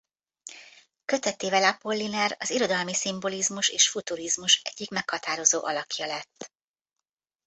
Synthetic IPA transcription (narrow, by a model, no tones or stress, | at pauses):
køt̪ɛt̪ːeːvɛlapo̞lːinɛrɒziɾo̞d̪ɒlmisimbo̞lizmuʃeːʃfut̪uɾizmuʃɛ̰ɟ̥ːikmɛkhɒt̪aːɾo̞zoːʔɒlɒkjɒlɛt̪ː